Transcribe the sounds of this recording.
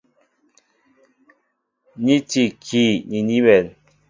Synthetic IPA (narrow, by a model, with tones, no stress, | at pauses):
ɲi˦ti˨kʰi˨ɲi˨ɲi˦mɛ˨n